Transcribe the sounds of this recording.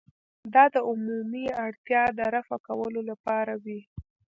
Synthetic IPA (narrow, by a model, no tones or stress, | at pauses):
d̪ɑd̪əʊmumiaɽt̪jɑd̪əɾafa̰kawəlolapɑɾawi